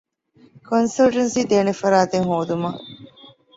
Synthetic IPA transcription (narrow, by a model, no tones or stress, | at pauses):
konsɐlʈɐnsiːd̪eːnefɐɾaːt̪eŋɦoːd̪umɐ